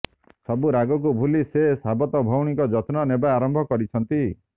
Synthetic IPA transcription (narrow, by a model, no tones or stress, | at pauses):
sɔbuɾaɡɔk̬ubʱulisesabɔt̪ɔbʱɔwɽ̃ikɔd͡ʒɔt̪nɔnebaaɾɔmbʱɔkɔɾit͡ʃʰɔnt̪i